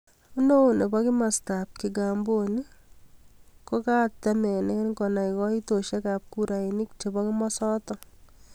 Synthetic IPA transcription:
u˦no˦˨ne˨bɔ˦kɪ˦ma˨sta˨p̚ki˨ɡa˨mbo˦ni˦ | ko˦ka˦tɛ˦mɛ˨ne˦nkɔ˨na˨ikɔ˦i˦to˨ʃe˦ka˨p̚ku˦ɾa˨i˨ni˦k̚t͡ʃe˨bɔ˦ki˦mɔ˦sɔ˦tɔ˦

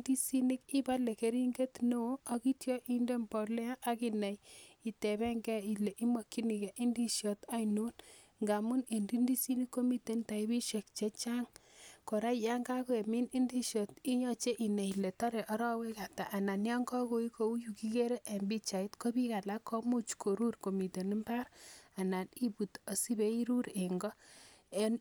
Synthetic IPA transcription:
di˦si˦ni˦ki˦ba˦le˨ke˨ɾi˦ŋɡe˦tno˦ɔ˦ki˦tjɔ˦ʔi˦nde˦mbɔ˨lɛ˦a˦ʔa˦ki˦nɛ˨ji˨tɛ˨bɛ˦ŋɡɛ˦i˨le˨ʔi˦ma˨kːi˦ni˨kɛ˨ʔi˦ndi˦ʃjɔ˨ta˦inu˦n | ŋɡa˨mu˦ne˨ndi˦ndi˦si˦ni˦kːo˦mi˦te˨˦nta˨i˦bi˦ʃe˨k̚t͡ʃe˦t͡ʃa˦ŋko˨ɾa˦i˨ja˦ŋɡa˦ko˦e˨mi˦ni˦ndi˦ʃjɔ˨ti˦ɲɔ˦t͡ʃe˦ʔi˨ne˨i˨le˨tɔ˦ɾe˨ʔɔ˦ɾɔ˦we˦ka˨ta˨ʔa˨na˨nja˦ŋɡɔ˦ko˦i˦ko˨˦u˦ju˨ki˦ke˦ɾe˦ʔa˨mbi˦t͡ʃa˨i˦tko˦bi˦ka˨la˦ko˦mu˦t͡ʃkʰo˨ɾu˦rko˨mi˨te˨ni˦mba˦ɾa˨na˨ni˦bu˨to˨si˦be˦i˦ɾu˦ɾe˨ŋɡɔ˦e˦n

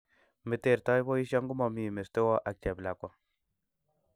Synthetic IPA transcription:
me˨te˨ɾtɔ˦jbo˦i˦ʃjɔ˦ŋɡu˦mɔ˨mi˨me˨ste˦wɔ˦ʔa˨k̚t͡ʃɛ˨bla˨kɔ˨˦

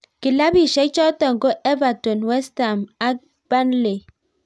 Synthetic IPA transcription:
ki˨la˦bi˦ʃe˨˦t͡ʃɔ˦tɔ˦˨ŋ̩˨ko˦ʔe˦va˨to˨nwe˦sta˨ma˦ | b̥a˦nle˨

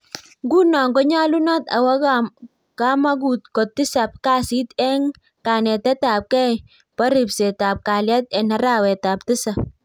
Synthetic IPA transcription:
ŋɡu˦na˨ŋɡɔ˦ɲa˦lu˦nɔ˦t̪a̰˨wa˦ka | ka˦ma˦ɡ̬u˨t̚kɔ˨t̪ɪ˦sa˨p̚ka˦si˦t̪ɛ˦ŋ | ka˨nɛ˨tɛ˦ta˨p̚kɛ˦j | pa˦ɾɪ˨pse˨ta˨p̚ka˨lja˦t̪ɛ˨na˦ɾa˦wɛ˨ta˨p̚tɪ˦sa˨

